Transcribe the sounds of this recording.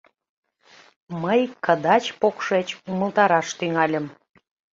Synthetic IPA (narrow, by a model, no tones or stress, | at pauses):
məjkəd̪ɑt͡ɕpokʃet͡ɕuməlt̪ɑɾɑʃt̪yŋɑlʲəm